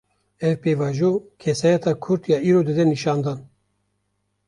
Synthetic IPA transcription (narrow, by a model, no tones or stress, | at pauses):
ɛvpeːvɑːʒuːkʰɛsɑːjɛt̪ɑːkʰʊɾt̪jɑːiːɾoːd̪ɨd̪ɛniʃɑːnd̪ɑn